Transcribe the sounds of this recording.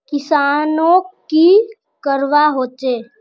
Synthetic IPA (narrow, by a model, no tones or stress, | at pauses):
kɪsaːnõki | kəɾʋaɦoːt͡ʃeː